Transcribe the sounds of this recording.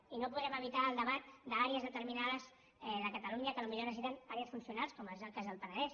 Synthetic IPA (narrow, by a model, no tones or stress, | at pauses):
inopuðɾɛməβit̪aːlˠd̪əβat̪̚d̪əaɾiəzðət̪əɾminaðəz | ɛðəkət̪əluɲəkəlumiʎorəzit̪ənaɾjəsfunsiunalˠskɔməzəlˠkazðəlˠpənəðɛs